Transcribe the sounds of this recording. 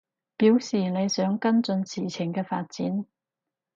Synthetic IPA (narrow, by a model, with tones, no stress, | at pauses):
piː˨˥wsiː˨˩ne˨˧jsœː˨˥ŋkɐ˥nt͡sɵ˧nsiː˨˩t͡sʰɪ˨˩ŋkɛː˧faː˧t̚t͡siː˨˥n